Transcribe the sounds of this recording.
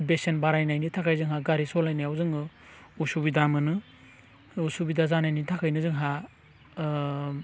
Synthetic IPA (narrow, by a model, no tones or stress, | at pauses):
besenbaɾajnajnitʰakʰajzɯŋɦaɡaɾisɔlajnajawzɯŋɯ | usubidamɯnɯ | usubidazanajnitʰakʰajnɯzɯŋɦa